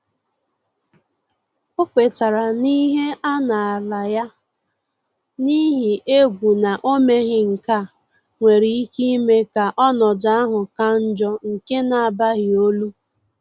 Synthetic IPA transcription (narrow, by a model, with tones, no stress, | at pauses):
ʊ˦kʷe˨ta˨ɾa˨ni˦ɦe˦ʔa˦na˨a˨la˨ja˦ | ni˦ɦi˨e˦ɡʷu˨na˨ʔo˦me˦ɣɪ˨ŋ̩˨ka˦˨ | ŋʷe˨ɾi˨i˦ki˦me˦ka˨ʔɔ˦nɔ˨d͡ʒa˦a˦ɦʊ˨ka˦n̩˦d͡ʒɔ˦ŋ̩˨ke˦na˨a˨ba˦ɣɪ˨o˦lu˦